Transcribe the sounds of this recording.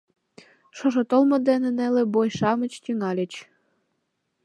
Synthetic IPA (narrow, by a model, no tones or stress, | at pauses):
ʃoʒŏt̪olmɤ̆d̪enĕnelĕbojʃɑmə̆t͡ɕt̪ʲyŋɑlʲə̆t͡ɕ